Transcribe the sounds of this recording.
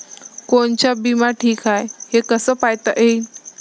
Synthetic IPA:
koɳt͡ɕjabimaʈʰiːkajhekəsəːpajt̪aʔej

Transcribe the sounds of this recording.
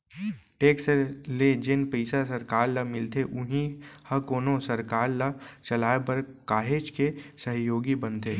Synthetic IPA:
ʈeːksəɾled͡ʒɪnpəɪsasɐɾkaːɾlamɪlt̪ʰeʔʊɦĩhɐkoːnõsɐɾkaːɾlat͡ʃɐlaːepɐɾkaːɦeːt͡ʃkesəɦjoːɡibɐnt̪ʰeː

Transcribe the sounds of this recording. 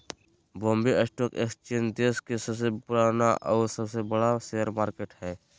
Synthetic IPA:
bõːmbiəsʈoːkeːkt͡ʃend̪eːskesəbs̬epʊɾaːnaʔɔːɾsəbsebəɽaseəɾmaːɾkeːʈhɛː

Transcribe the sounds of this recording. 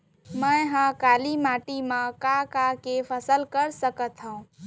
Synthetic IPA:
mə̃ɦãkaːlimaːʈimãkakakepʰəsəlkəɾsəkət̪ɦũ

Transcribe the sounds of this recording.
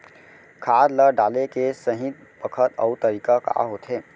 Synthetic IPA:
kʰaɾləɖalekesəɦit̪̚ | bəkʰət̪ə̰ut̪əɾikaka̰ɦot̪ʰɦe

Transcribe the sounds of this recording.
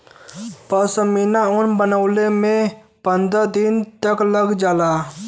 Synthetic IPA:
pəsəminaʊnbənəʊlemẽ | pə̃nd̪ɾəd̪ɪnt̪əkləɡd͡ʒaːlaː

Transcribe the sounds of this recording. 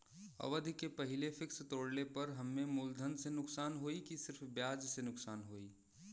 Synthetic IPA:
ɐ̰ʋəd̪ʱikepɐɦɪlefɪkst̪oːɽlepɐɾɦɐmːẽmʊld̪ʱənsenʊksaːnɦoːikisɪɾfbjaːd͡ʒsenʊksaːnɦoːiː

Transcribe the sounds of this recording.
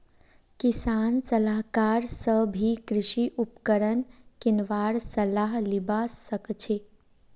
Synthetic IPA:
kisansəlaɦkaɾsəbʱikɾɪʃiʔupkəɾənkinʋaɾsəlaɦlibasəkt͡ʃʰe

